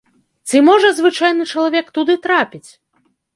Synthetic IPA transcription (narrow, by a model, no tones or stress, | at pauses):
t͡sʲɨmɔʐɐzvɨt͡ʂajnɨt͡ʂɐlˠavʲɛkt̪ud̪ɨt̪ɾapʲit͡sʲ